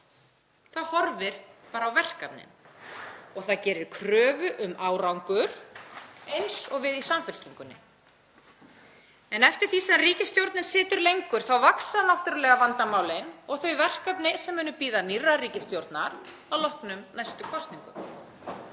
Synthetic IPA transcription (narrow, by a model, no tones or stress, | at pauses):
θaðhɔɾvɪɾ̥paːɾawvɛr̥kapnɪ̰n | ɔɣθaðcɛːɾɪɾkʰɾœːvʏʔʏmaːwɾawŋkʏɾ̥ | ejnsɔɣvɪðisamfʏl̥c̪iŋkʏnːɪ̰ | ɛnɛft̪ɪɾ̥θisɛariːcɪst̪jowɾt̪nɪnsɪːt̪ʏɾlejŋkʏɾ̥θawvaksaðanawft̪ʏɾʏlɛːɣavant̪amaːwlɪnɔɣθœɥvɛr̥kapnɪsɛmːʏːnʏpiːðanirːariːcɪst̪jowɾt̪naɾ | awlɔhknʏmnajst̪ʏkʰɔst̪niŋkʏ̰m